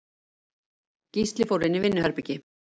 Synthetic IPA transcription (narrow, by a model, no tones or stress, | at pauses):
cist̪lɪfoːwɾɪnɪvɪnːʏhœɾpɪcɪ